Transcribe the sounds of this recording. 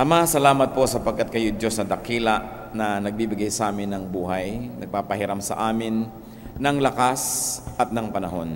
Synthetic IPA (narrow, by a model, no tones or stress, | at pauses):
ɐmasɐlaːmɐt̪̚po̞sɐpɐɡ̚kat̪̚kɐjod̪josnɐd̪ɐkiːlaʔ | nɐnɐɡ̚bibɪɡajsʔaːmɪnːɐŋbuːɦajnɐɡ̚paːpɐhɪɾamsɐ̰ʔaːmɪnː | ɐŋlɐkasʔɐt̪̚nɐŋpɐnɐɦo̞̰n